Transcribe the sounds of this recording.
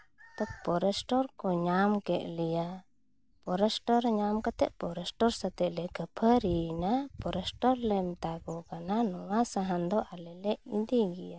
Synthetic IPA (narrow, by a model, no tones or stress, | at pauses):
t̪ɔk̚pɔɾɛsʈɔɾkɔɲamkɛʔlɛja | pɔɾɛsʈɔɾɲamkat̪ɛʔpɔɾɛsʈɔɾsat̪ɛʔlɛkəpʰəɾinapɔɾɛsʈɔɾlɛmt̪aɡɔkananɔwasaɦand̪ɔʔalɛlɛʔid̪iɡija